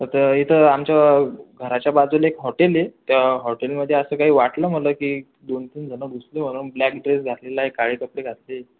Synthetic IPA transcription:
t̪ət̪əit̪ʰəamt͡ɕjaɡʱəɾat͡ɕjabad͡zulekɦɔʈelet̪jaɦɔʈelməd̪ʱːjeəsəːkaɦiːʋaʈləːm̤ələkiː | d̪ont̪iːnd͡zʱənəɡuslem̤əɽ̃uːnblæk̚ɖɾesɡʱat̪lelaekaɭiːkəpɽeɡʱat̪le

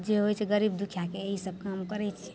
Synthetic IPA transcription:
d͡ʒeɦojt͡ʃʰɛɡəɾibd̪ukʰjakeːɦisəb̚ʱkaəmkəɾɛt͡ʃʰiɛ

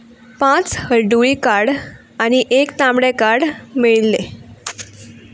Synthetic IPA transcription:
pãt͡shəɾɖuikaɽ | añiʔekt̪ãmɽekaɽmiɭle

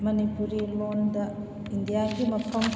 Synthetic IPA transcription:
mɐnipuɾilondɐ | indijaɡimɐpʰɐm

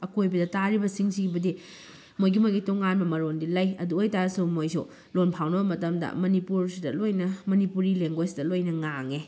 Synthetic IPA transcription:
ɐkojbɐdɐtaɾibɐsiŋsiɡibɐdi | mojɡimojɡitoŋanbɐmɐɾondilajɐ̰duojtaɾɐsumojsu | lonpʰawnɐbɐmɐtɐmdɐ̰mɐnipuɾsidɐlojnɐmɐnipuɾileŋɡojsidɐlojnɐŋaŋe

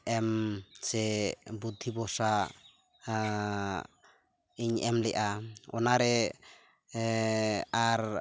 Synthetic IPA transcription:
ɛmsɛbud̪ʱːibɔsa | iɲɛmlɛʔaɔ̰naɾɛ | aɾ

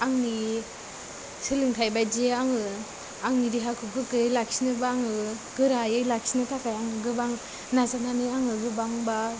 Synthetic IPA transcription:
aŋni | sɯlɯŋtʰajbajd͡ʒeaŋɯ | aŋniɾiɦakʰɯɡɯkɯjlaksinɯbaŋɯɡ̥ɯɾajɯjlaksinɯtʰakʰajaŋɯɡɯbaŋ | nazananɯaŋɯɡɯbaŋba

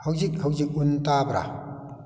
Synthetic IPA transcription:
hawzik̚hawzik̚untabɾa̰

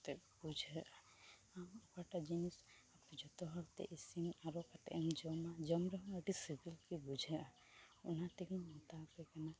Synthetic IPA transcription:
t̪ɛbud͡ʒʱɛɾʔa | amɔkaʈad͡ʒinisapid͡ʒɔt̪ɔɦɔɾt̪ɛ̰ʔisimaɾɔkat̪ɛ̰ʔɛmd͡ʒɔmad͡ʒɔmɾɔɦəʈisibilkibud͡ʒʱɛa | unat̪ikinmɔt̪akɛkana

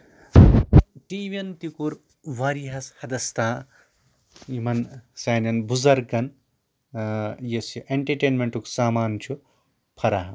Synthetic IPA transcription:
ʈiːʋɐnt̪ikuɾ | ʋaɾiɦɐshɐd̪ɐst̪aː | imɐnsaːnɐnbuzɐɾɡɐn | jɐsiʔeɳʈɐɾʈeːnmeɳʈuksaːmaːnt͡ʃʰu | pʰɐɾaɦɐ

